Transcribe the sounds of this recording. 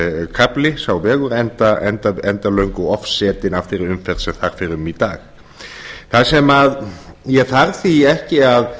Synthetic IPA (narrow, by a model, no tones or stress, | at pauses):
kʰaplɪsawvɛːɣʏɾɛnt̪aɛnt̪aɛnt̪alœɥŋkʏɔfsɛːt̪ɪnaft̪ɪɾɪɾʏmfɛɾt̪sɛɣθaɾ̥fɪɾɪmit̪aːx | θaðsɛmaðjɛθaɾθiɛhcɪað